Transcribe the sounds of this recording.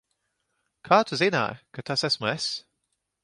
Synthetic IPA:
kʰaːt̪ʰəzena̰kʰat̪ʰasɛsmɛs

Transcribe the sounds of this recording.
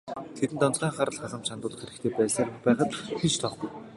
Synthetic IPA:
t̪ʰet̪ɘ̆nt̪ɔnt͡sʁæːŋχaɾə̆ɮχaɮə̆mt͡ɕʰant̪ʊːt̪χeɾɘ̆kt̪ʰeːpæːsaːrxpæːχə̆t̪xit͡ɕt̪ʰɔχɡuj

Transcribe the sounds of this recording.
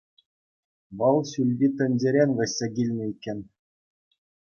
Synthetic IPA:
ʋɤ̆lˠɕʲylʲvʲit̪ʲɘ̆nʲd͡ʑeɾʲenʲʋʲɘ̆sʲːeɡʲilʲnʲɘ̆ikʲːenʲ

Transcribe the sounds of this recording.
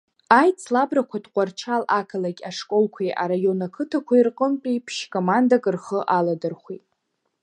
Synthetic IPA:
ajt͡sʰlabrakʷʰadqʷʼart͡ʃʰalakʰalakʲʼaʂkʼo̞lkʷʰijʔa̰ɾajo̞nakʰɨtʰakʷʰairqʼəmpʼipʰʃkʰʼomandakʼɨrχəʔaladɨrχʷitʼ

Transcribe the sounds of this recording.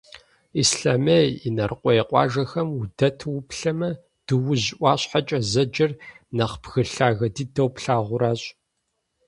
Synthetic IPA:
isɬaːmejinɐrqʷʼɔjeqʷʼɑ̰ːʒɐxɐmʊdɐtʰwʊpɬɐmɐ | d̥ɨwʊʑɪʔʷɑːɕħat͡ʃʼɐzɐd͡ʒɐr | nɐχb̥ɣɨɬaːɣɐdidɐwpɬaːʁʷʊɾaːɕʼ

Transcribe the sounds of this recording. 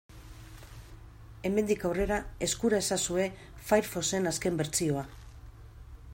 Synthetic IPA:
e̞me̞nd̪ikawre̞ɾae̞skuɾae̞sasue̞ | fajɾfo̞se̞naske̞mbe̞ɾt͡sio̞a

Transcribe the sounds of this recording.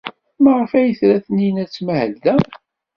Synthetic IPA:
məʁəfæjəθɾæθəninæt͡sːmæhəld̪æ

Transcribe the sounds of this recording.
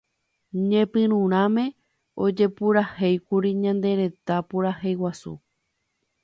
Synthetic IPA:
ɲẽpɨ̃ɾ̃ũɾ̃ãmẽ | o̞d͡ʒe̞puɾahejkuɾiɲãnd̪e̞ɾe̞t̪apuɾahejwasṵ

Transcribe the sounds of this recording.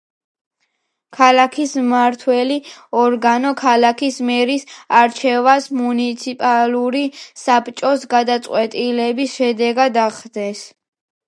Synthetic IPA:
kʰalakʰismaɾt̪ʰwɛliɔɾɡanɔkʰalakʰismɛɾisaɾt͡ʃʰɛvasmunit̪sʰipʼaluɾisapʰt͡ʃʼɔsɡad̪at̪sʼqʼwɛt̪ʼilɛbisʃɛd̪ɛɡad̪aχd̪ɛs

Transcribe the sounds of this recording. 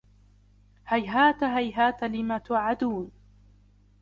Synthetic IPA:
hajɦaːt̪aɦajɦaːt̪alɪmaːt̪ʊʕad̪uːn

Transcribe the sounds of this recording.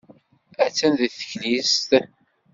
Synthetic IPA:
æt͡sːænðəθə̥çlist̪

